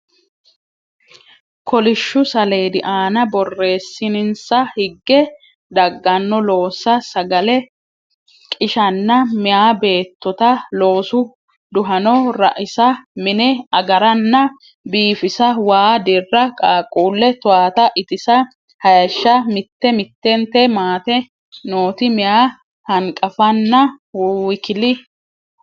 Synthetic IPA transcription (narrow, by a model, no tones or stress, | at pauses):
kʰɔlɪʃːʊsɐle̞ːd̪ɪʔaːnɐbɔrːe̞ːsːɪnɪnsɐhɪɡːɛ | d̪ɐɡːɐnːɔlo̞ːsːɐsɐɡɐlɛ | kʼɪʃɐnːɐmɪjaːbe̞ːt̪ːɔt̪ɐlo̞ːsʊ | d̪ʊɦɐnɔɾɐ̰ʔɪsɐmɪnɛɐɡɐɾɐnːɐ | biːfɪsɐwaːd̪ɪrːɐkʼaːkʼuːlːɛt̪ʊaːt̪ɐʔɪt̪ɪsɐ | hɐjɐʃːɐmɪt̪ːɛmɪt̪ːɛnt̪ɛmaːt̪ɛ | noːt̪ɪmɪjaː | hɐŋkʼɐfɐnːɐ | kɪlɪ